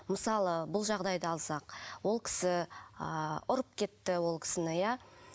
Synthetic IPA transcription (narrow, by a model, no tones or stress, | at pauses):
məsɑlˠəbʊlˠʒɑʁd̪ɑjd̪əɑlˠsɑqwo̞lˠkʲʰɪ̥sɪəʊɾəp̚kʲʰe̞t̪ːɪwo̞lˠkʲʰɪ̥sɪnɪja